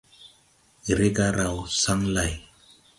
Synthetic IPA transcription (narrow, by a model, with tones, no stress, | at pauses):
i˨ɾe˦ɡa˦ɾa˨wsa˦ŋla˨j